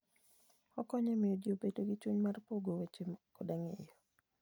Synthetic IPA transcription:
ɔkɔɲɔmɪjɔdjobedoɡɪt͡ʃuɲmarpoɡowet͡ʃekodaŋejɔ

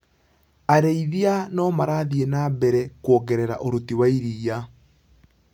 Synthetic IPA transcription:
aɾeiðianɔːmaɾaðienabɛɾɛkwɔɣɛɾɛɾa̰ʔoɾotiwaiɾiːja

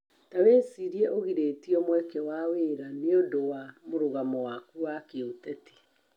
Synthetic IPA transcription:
taweːsiɾiɛʔoɣiɾetiɔmwɛkɛwaweːɾaneodowamoɾoɣamɔwakuwakeotɛti̥

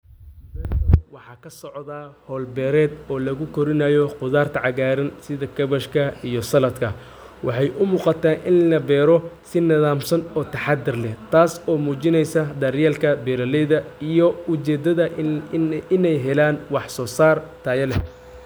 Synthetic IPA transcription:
ɐwɑħɑːkʰɐsɔʕðaːhɔːlbɛːɾɛːd̪ɔːlɐɣʊkʰɔɾɪnajɔqʊðaːrt̪ʰɐʕɑɣaːɾɐnsɪðɐkʰɐβɐʃkʰɐijɔsɐlɐd̪kʰɐ | wɑħɑjʔʊmuːqɑt̪ʰaːʔɪnlɐbɛːɾɔsɪnɐðaːmsɐnɔːt̪ʰɐħɑd̪ɪrlɛht̪ʰaːsɔːmuːt͡ʃɪnɛjsɐd̪ɐrjaːlkʰɐbɛːɾɐlɛðɐijɔʊt͡ʃɛːd̪ɐðɐ | ɪnɛjɦɛlaːnwɑħsɔːsaːrt̪ʰaːjɐlɛ

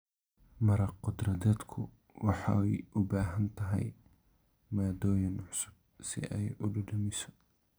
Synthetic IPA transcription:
mɐɾɐqʊd̪rɐðɛːd̪kʰʊ | wɑħɑ̰jʔʊbaːɦɐnt̪ʰɐɦɛ̰j | maːd̪ɔːjɐnʕʊsʊb̚sɪ̰ʔɛjʊɖɐɖɐmɪsɔ̥

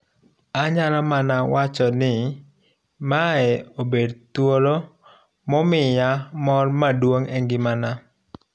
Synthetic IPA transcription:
aɲaɾamanawat͡ʃɔnɪ | maɛobedt̪woɾo | mɔmɪjamɔrmadwoŋɛŋɡɪmana

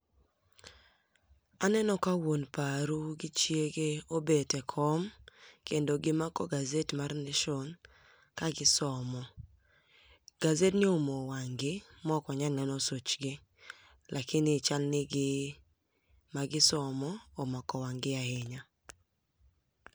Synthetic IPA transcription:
anɛnɔkawonpaɾuɡɪt͡ʃjeɡeobetɛkʰɔmkendoɡɪmakɔɡazetmarneʃon | kaɡɪsɔmɔ | ɡ̥azetnɪomowaŋɡɪmɔkɔɲanɛnɔsot͡ʃɡɪ | lʔakɪnɪt͡ʃalnɪɡɪ | maɡɪsɔmɔːmakɔwaŋɡɪaheɲa

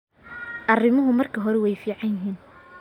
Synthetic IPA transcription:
ʔɐrɪmɐɦʊmɐrkʰɐɦɔɾɛwɛjfiːʕɑnjɪɦiːn

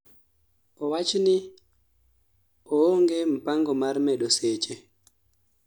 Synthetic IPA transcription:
ɔwat͡ʃni | ɔɔŋɡɛm̩paŋɡɔmaɾmɛɗɔset͡ʃɛ

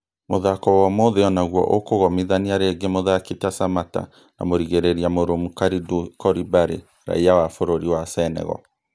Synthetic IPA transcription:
moðakɔwamoðeɔnaɣwɔ̰ʔokoɣɔmiðaniaɾeɡemoðaketasamata̰ | na̰moɾiɣeɾeɾiamoɾomukaɾidukɔɾibaɾe | ɾa̰iawafoɾoɾiwasɛnɛ̰ɣɔ̰

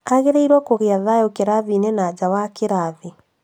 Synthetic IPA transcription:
aɣeɾeiɾwɔkoɣeaðajokeɾaðinenaːd͡ʑawakeɾaði

